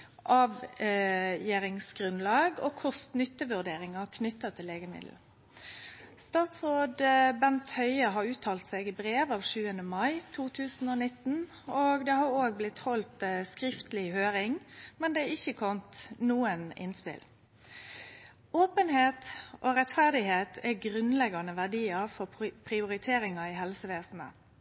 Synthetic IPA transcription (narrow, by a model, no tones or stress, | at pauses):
ʔɑːʋ | jeːɾɪŋsɡʁʉnlɑːɡo̰ːkʰʊst̪nʏt̪ːəʋʉʁd̪eːɾɪŋɑkʰnʏt̪ːɑt̪ʰɪlːeːɡəmɪ̰d̪l̩ | st̪ɑːt̪sʁoːd̪bɛnt̪hœʏəɦɑɾʉːt̪ʰɑːlt̪sɛːɡɪbɾeːʋɑːʋʂʉːənəmɑɪt̪ʰuːt̪ʰʉːsn̩oːnɪt̪ːn̩ | oːɡd̪ɛhɑɾoːɡ̚blɪt̪hɔlt̪skɾɪft̪lɪhøːɾɪŋmɛnd̪ɛɪçːəkʰɔnt̪nuːənɪ̰nspɪ̰l | oːpənheːt̪ʔoːɾɛt̪fæʁd̪ɪheːt̪ʰɛɡɾʉnlɛɡɑnəʋæʁd̪iːəfɔpʰɾɪʊɾɪt̪ʰeːɾɪŋɑɪɦɛlsəʋeːsn̩ə̰